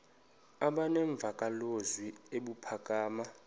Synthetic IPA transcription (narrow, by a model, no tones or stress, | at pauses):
aɓanɛɱb̪vʱakʼalozwieɓupʰakʼaːma